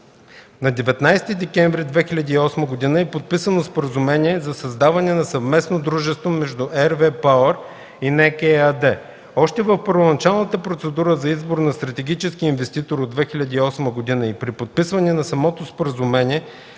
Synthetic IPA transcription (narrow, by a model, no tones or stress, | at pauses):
nɐd̪ɛvɛt̪najst̪id̪ɛkʲɛɱvɾid̪vɛxilʲɐd̪iːɔsməɡod̪inəɛpot̪̚pisənospoɾəzumɛniɛzɐsɐzd̪avɐnɛnɐsɐvmɛsnod̪ɾuʒɛst̪vomɛʒd̪uʔɛɾvɛpaəɾ | inɛkɛad̪ɛ | ɔʃt̪ɛvəfpəɾvonɐt͡ʃalˠnət̪əpɾot̪sɛd̪uɾəzɐizboɾnɐst̪ɾɐt̪ɛɡʲit͡ʃɛskiinvɛst̪it̪oɾod̪vɛxilʲɐd̪iːɔsməɡod̪inəipɾipot̪̚pisvɐnɛnɐsɐmɔt̪ospoɾəzumɛniɛ